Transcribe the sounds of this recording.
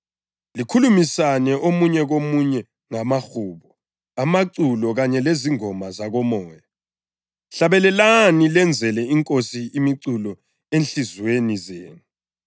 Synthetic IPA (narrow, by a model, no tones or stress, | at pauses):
likʰulumisanɛʔomuɲɛɣomuɲɛ | ŋamaxuːɓɔ | amaǀulɔɣaɲɛleziŋɔmazaɣɔmɔːja | ɬaβɛlɛlanilɛnd͡zʱɛlɛiŋkʼosiimiǀulɔ | enɬizwenizeːnu